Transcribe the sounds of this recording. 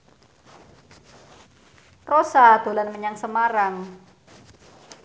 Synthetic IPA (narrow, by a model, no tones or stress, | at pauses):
rosad̪̥o̤lanməɲaŋsəmaɾaŋ